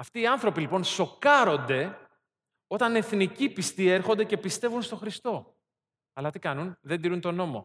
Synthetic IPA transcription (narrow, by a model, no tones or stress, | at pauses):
ɐft̪iːɐnθɾo̞pilipo̞nso̞kɐɾo̞nd̪e̞ | o̞t̪ɐne̞θnicipist̪ie̞ɾxond̪e̞ce̞pist̪e̞vunst̪o̞xɾist̪o̞ | ɐlɐt̪ikɐnunðed̪iɾunt̪o̞no̞mo̞̰